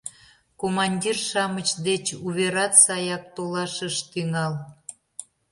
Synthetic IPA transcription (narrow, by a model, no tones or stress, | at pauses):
komɑnʲdʲirʃɑmət͡ɕd̪et͡ɕuβeɾɑt̪sɑjɑk̚t̪olɑʃəʃt̪yŋɑl